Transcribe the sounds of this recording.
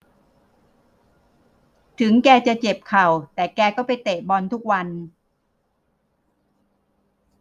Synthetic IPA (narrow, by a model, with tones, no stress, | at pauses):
t̪ʰɯ˩˦ŋkɛː˧t͡ɕa˨˩t͡ɕe˨˩p̚kʰa˨˩wt̪ɛː˨˩kɛː˧kɔː˥˩pa˧jt̪eː˨˩bɔː˧nt̪ʰu˦˥k̚wa˧n